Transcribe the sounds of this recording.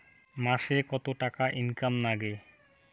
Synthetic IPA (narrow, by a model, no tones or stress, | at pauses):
maʃekɔt̪oʈakaʔinkamnaɡe